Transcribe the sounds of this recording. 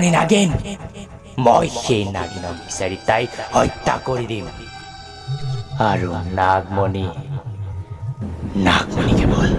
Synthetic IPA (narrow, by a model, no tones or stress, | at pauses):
nina̰ɡen | mɔjxejna̰ɡinɔmbi̥saɾit̪ajɔjt̪ːa̰koɾid̪im | aɹunaɡ̚mɔni | na̰ɡmɔnikɛbɔl